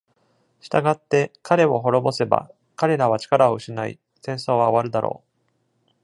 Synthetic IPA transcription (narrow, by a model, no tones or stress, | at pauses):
ɕi̥t̪aɡat̪ːe̞kʰaɾe̞βo̞ɦo̞ɾo̞bo̞se̞ba̰ | kaɾe̞ɾaβ̞at͡ɕi̥kaɾaoɯ̟ɕinaḭ | sẽ̞ɰ̃so̞ːβaoβaɾɯ̟d̪aɾo̰ː